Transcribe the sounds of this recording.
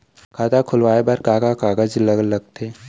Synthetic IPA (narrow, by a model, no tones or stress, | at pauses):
kʰaːt̪akʰʊlwaːebaɾkaːkakaːɡəd͡ʒləɡlɐɡ̚t̪ʰeː